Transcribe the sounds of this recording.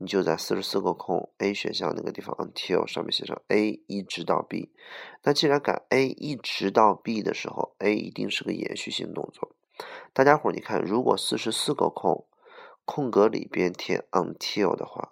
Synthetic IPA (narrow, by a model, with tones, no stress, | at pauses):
ni˨˩t͡ɕjo˥˧ʊt͡sa˥˧ɪsɹ̩˥˩ʂɻ̩˧˥sɹ̩˥˩ɡə˧˩kʰʊ˥˩ŋe˥ɪɕɥɛ̰˧˥ɕjɑ˥˧ŋna˥˩ɡə˧t̪i˥˩fɑ̰˨˧˦ŋə̰˥˩ŋt̪ʰi˥o̰˥˧˩ʊʂɑ˥˧mɛ˥˩nɕjɛ˧˥˩ʂɤ̰˧˩ŋe˥ɪi˥˩ʈ͡ʂɻ̩˧˥t̪ɑ˥˧ʊpḭ˥˩na˥˩t͡ɕi˥˩ɻa˧˥nka̰˨˩ne˥ɪʔi˥˩ʈ͡ʂɻ̩˧˥t̪ɑ˥˧ʊpi˥˩d̪ə̰˩ʂɻ̩˧˥xo̰˧ʊe˥ɪḭ˧˥t̪ḭ˥˧ŋʂɻ̩˥˩ɡə˩jɛ̰˧˥nɕy˥˧ɕḭ˧˥˩ŋ˩t̪ʊ̰˥˧ŋt͡swɔ̰˥˩ | t̪a˥˩t͡ɕja˥xwa˨˥nḭ˧˨˩kʰa˥˩nɻu˧˥kwɔ̰˨˩sɹ̩˥˩ʂɻ̩˧˥sɹ̩˥˩ɡə̰˧kʰʊ˥˩ŋ | kʰʊ˥˩ŋkɤ˧˥lḭ˨˩pjɛ˥nt̪ʰjɛ̰˥ə˥˩ŋt̪ʰi˥o˥˩ʊd̪ə̰˩xwa̰˥˩